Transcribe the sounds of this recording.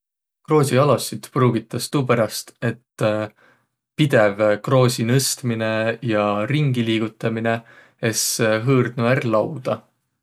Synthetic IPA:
kro̞ːsʲiɑlosit̪pruːɡ̥it̪ˑːɑst̪uːpæɾɑst̪e̞t̪ː | pid̪̥e̞vkro̞ːsʲinɤst̪mine̞jɑɾiŋɡiliːɡ̥ut̪ːˑɑmine̞ | e̞sɦɯːrd̪̥nuærlɑwd̪̥ɑ

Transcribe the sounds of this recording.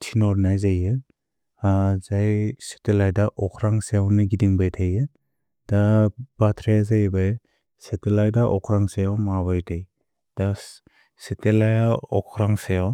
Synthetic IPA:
tʰinɔɾnajzajɯ | azajse̥telajdaʔɔkʰɾaŋsejawniɡidiŋbajtʰajɯ | d̥ab̥atʰɾejazajbaj | setelajdaʔɔkʰɾaŋsejawmaβajtʰaj | d̥a | setelajaɔkʰɾaŋsejaw

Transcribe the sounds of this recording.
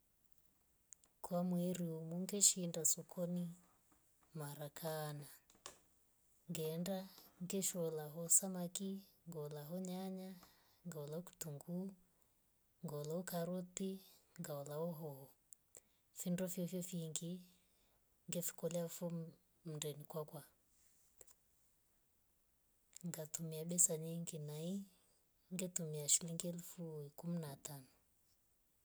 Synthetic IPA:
kʰwamwɛɾiumuŋɡɛʃindasɔkʰɔni | maɾakʰaːna | ŋɡɛndaŋɡɛʃɔlaɦɔsamakiŋɡɔɔlaɦɔɲaɲa | ŋɡaɔlauku̥tuŋɡu | ŋɡɔlaukaɾutiŋɡaɔlaɔɦɔɔ | findɔfjɔfjɔfiŋɡi | ŋɡɛfi̥kɔlɛafɔ | m̩ndɛnikwakwa | ŋɡatumiaɓɛsaɲiŋɡinai | ŋɡɛtumiaʃiliŋɡiɛlufuikuminatanɔ

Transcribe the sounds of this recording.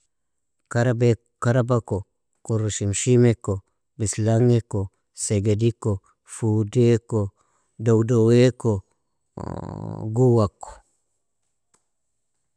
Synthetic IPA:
kaɾabe | kaɾabako | koɾuʃimʃimeko | bislaŋeko | seɡediko | fudeko | dowdoweko | ɡuwako̥

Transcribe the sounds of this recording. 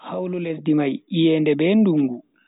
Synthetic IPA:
hawlulesdimajijɛndɛbɛːnduŋɡu

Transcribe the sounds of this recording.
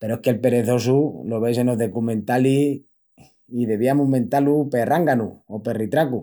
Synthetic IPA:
peɾoeke̞lpe̞ɾe̞θo̞sulo̞β̞ejse̞no̞ðo̞kumẽ̞nt̪ali | iðe̞βiamument̪alupe̞rʔaŋɡanṵope̞rit̪ɾaku

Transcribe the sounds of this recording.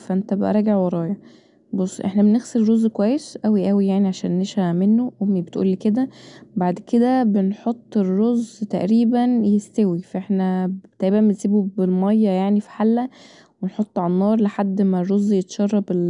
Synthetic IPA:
fæʔent̪æbeʔæ̰ɾˤɑːɡeʕwɑɾˤɑːjɑ | bosˤːʔeħnæbeneɣseɾɾozːkowæjːesʔæwiʔæwijaʕniʕaʃæ̰ːnːeʃææmenːowomːibet̪ʔṵːlːiked̪æbaʕd̪ked̪æbenħot̪ˤːerːozt̪æʔɾiːbænjest̪æwifæʔeħnæt̪æʕibæmbensiːbubelmɑjːɑjaʕnifi̥ħalːæ | wenħot̪ˤːʕalænːɑːɾˤleħad̪ːmærˤːozːjet̪ʃɑrˤːɑbel

